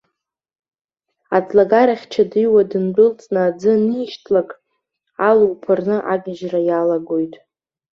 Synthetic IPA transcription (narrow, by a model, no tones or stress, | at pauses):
a̰t͡sʰʼlaɡaɾaχʲt͡ʃʰadɨjwadɨnbʷɨlt͡sʼnaːd͡zɨniːʃtʰlakʼ | aluwpʰarnɨʔaɡʲɪʒrajalaɡojtʼ